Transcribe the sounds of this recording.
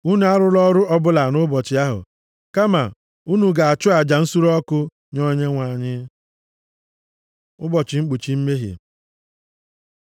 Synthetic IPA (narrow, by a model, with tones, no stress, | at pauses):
u˦nu˨˦a˦ɾʊ˦lɔ˦ɾʊ˦ʔɔ˦bʊ˦la˨nʊ˦bɔ˨t͡ʃɪ˨a˦ɦʊ̰˨ | ka˦ma˨ | u˦nu˨ɡa˨a˨t͡ʃʊ˦a˨d͡ʒa˨n̩˦su˦ɾɔ˦kʊ˦ | ɲo˦ɲe˦ŋʷa˨ɲɪ˦ | ʊ˦bɔ˨t͡ʃɪ˨ŋ͡m̩˦k͡pu˨t͡ʃi˨m̩˦me˦ɦjḛ˨